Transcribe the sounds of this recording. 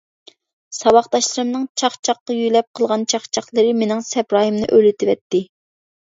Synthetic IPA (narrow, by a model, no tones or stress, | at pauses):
sɑwɑχt̪ɑʃlˠɨɾɨmnɨŋt͡ʃʰɑχt͡ʃʰɑqːɑjyjlɛp̚qʰəlˠʁɑnt͡ʃʰɑχt͡ʃʰɑχlˠəɾɨmenɪŋsɛpɾɑːɦɨmnɨ̰ʔølɪt̪ʰɪvɛt̪ːɪ